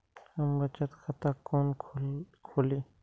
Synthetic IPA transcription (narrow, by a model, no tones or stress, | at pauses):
hɐmbɐt͡ʃət̪xʰɐt̪akoːn | kʰoːliː